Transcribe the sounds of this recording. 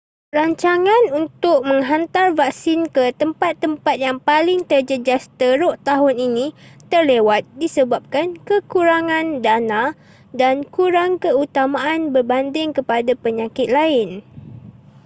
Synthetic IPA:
raɲt͡ʃaŋãnunt̪ʊk̚mə̃ŋɦant̪arvak̚sɪnkət̪əmpat̪ːəmpat̪̚jaŋpalɪŋt̪ərd͡ʒəd͡ʒast̪əɾʊʔt̪aɦʊninĩt̪ərlewat̪̚disəbap̚kankəkuɾaŋãndanã | dankuɾaŋkəut̪amãanbərbandɪŋkəpadapəɲãkɪt̪̚laɪn

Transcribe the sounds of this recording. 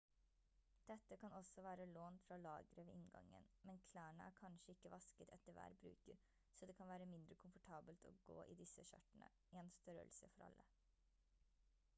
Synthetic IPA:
d̪̥ɛt̪ːəkʰɑnɔsɔʋæːɾəloːnfɾɑlɑːɡəɾəʋɛɪŋɡɑ̰ŋːə̰nmɛnkʰlæːɳə̰ʔæːɾkʰɑnʃəɪkːəʋɑskət̪ʰɛt̪ːəɾʋæ̰ːɾbɾʉ̰ːkəɾ | sɔːd̪ɛːkʰɑnʋæːɾəmɪnd̪ɾəkʰʊmfɔʈʰɑːbəlt̪ʰɔ̰ːɡo̰ːʔɪ̰d̪ɪsəʃœ̰ʈːənə̰ | ɛɛnst̪œɾə̰lsəfɔɾɑ̰lːə

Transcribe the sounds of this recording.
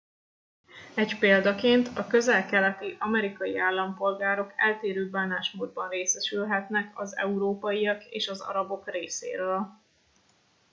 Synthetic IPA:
ɛɟpeːld̪ɒkeːnt̪ʰɒkø̞zɛlkɛlɛt̪iʔɒmɛɾikɒjiaːlːɒmpo̞lɡaːɾo̞kɛlt̪eːɾøːbaːnaːʃmoːd̪̚bɒnreːsɛʃylɦɛt̪nɛkɒzɛ̰uɾoːpɒjiɒkḛːʃɒzɒ̰ɾɒbo̞kreːsḛːɾøːl

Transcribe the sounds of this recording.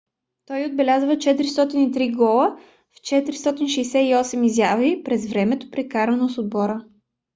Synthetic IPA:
t̪ɔjod̪̚bɛlʲazvət͡ʃɛt̪ɾist̪ɔt̪init̪ɾiɡɔlˠə | ft͡ʃɛt̪ɾist̪ɔt̪inʃɛjsɛiɔsɛmizjavipɾɛzvɾɛmɛt̪o̥pɾɛkaɾənosod̪̚bɔɾə

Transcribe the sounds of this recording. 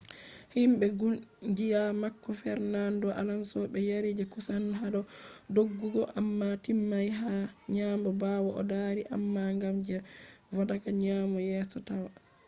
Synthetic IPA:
himɓɛɡuld͡ʒijamakːɔfɛɾnandɔʔa̰lansɔɓɛjaɾid͡ʒɛkusanɦaɗɔdoɡːuɡɔʔamːatimːajɦaɲaːmbɔbawɔʔɔ̰daɾiʔa̰mːaŋɡamd͡ʒɛvadakaɲaːmɔjɛːsɔtawa

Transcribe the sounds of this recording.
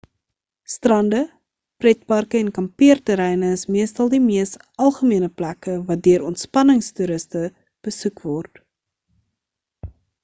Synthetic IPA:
strɐndə | prɛt̚pɐrkəɛnkɐmpiərtəɾɛjnəəsmiəstɐlˠdimiəst | ɐlˠχəmiənəplækəvɐt̚døəɾɔntspɐnəŋstyɾəstə | b̥əsukvɔrt

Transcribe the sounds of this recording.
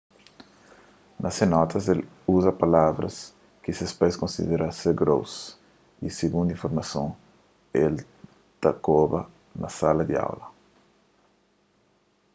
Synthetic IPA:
nʔɐsenɔt̪ʰɐsel | uzɐpalavɾɐ̰s | kisespajskõnsḭd̪eɾaseɾɡɾo̰ws | iseɡũnd̪ĩɱfoɾmɐsõ | el | t̪akobɐ | nɐsalɐd̪ia̰wlɐ

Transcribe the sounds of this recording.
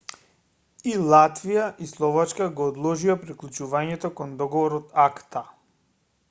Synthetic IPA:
ilˠat̪vijaʔislˠɔvat͡ʃkaɡɔːd̪lˠɔʒiapɾiklˠut͡ʃuvaɲɛt̪ɔkɔnd̪ɔɡɔvɔɾɔt̪akt̪a

